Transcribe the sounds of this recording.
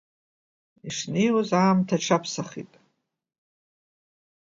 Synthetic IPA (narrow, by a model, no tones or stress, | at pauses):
iʂnejwozaːmtʰaʈ͡ʂʰapʰsaχḭtʼ